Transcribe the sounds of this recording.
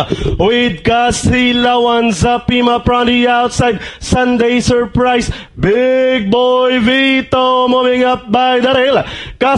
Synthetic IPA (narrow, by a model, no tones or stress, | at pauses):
wɪd̪̚kasilawɐnsɐpimɐpɹãndiawt̪sajd̪̚sɐ̃nd̪ejsəɹpɾajs | bɪɡ̚bɔjvit̪omʊmɪŋɐp̚bajd̪ɐɾɛlkɐ